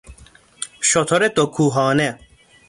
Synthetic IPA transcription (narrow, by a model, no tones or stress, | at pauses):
ɕot̪ʰoɾet̪okʰuːɦɑːne